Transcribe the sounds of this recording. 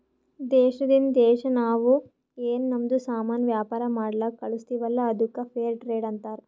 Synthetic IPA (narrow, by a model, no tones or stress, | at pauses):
d̪ɛːʃɐd̪ind̪ɛːʃɐnaːʋu | eːnnɐmd̪usaːmaːnɐʋjaːpaːɾɐmaːɽlɐkɐɭust̪iʋɐlːɐːd̪ukːɐpʰeːɾʈɾeːɖɐnt̪aːɾ